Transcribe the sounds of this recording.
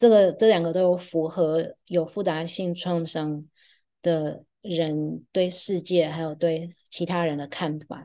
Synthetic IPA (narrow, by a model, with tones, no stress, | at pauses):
ʈ͡ʂɤ˥˩ɡə˩ʈ͡ʂɤ˥˩ljɑ˨˩ŋɡə˦t̪o˥ʊjo˧˥ʊfu˧˥xɤ˧˥jo˨˩ʊfu˥˩t͡sa˧˥ɕi˥˧ŋʈ͡ʂʰwɑ˥˧ŋʂɑ˥˧ŋ | d̪̥ə˨ | ɻə˧˥nt̪we˥˧ɪʂɻ̩˥˧t͡ɕjɛ˥˩xa˧˥ɪjo˨˩ʊt̪we˥˩ɪt͡ɕʰi˧˥t̪ʰa˥ɻə˧˥nd̪ə˧kʰa˥˩nfa̰˨˩˦